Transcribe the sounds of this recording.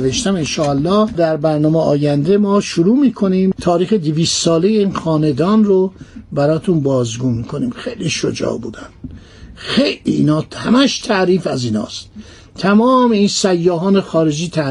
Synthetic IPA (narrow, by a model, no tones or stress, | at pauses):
veʃt̪æmenʃɒːælːɒːhd̪æɾbæɾnɒːmeɒːjænd̪emɒːʃuɾuːmiːkʰo̞niːmt̪ʰɒːɾiːxed̪iviːst̪sɒːle̞jeiːnxɒːned̪ɒːnrobæɾɒːt̪ʰunbɒːzɡuːnmiːkʰo̞niːmxejliʃod͡ʒɒ̰ːbṵːd̪ænd̪̥ | xejlḭːnɒːhæmæʃt̪ʰæʔɾiːfæziːnhɒ̰ːst̪ | t̪ʰæmɒːmeiːnsæjːɒːɦɒːnexɒːɾe̞d͡ʒiːt̪ʰæ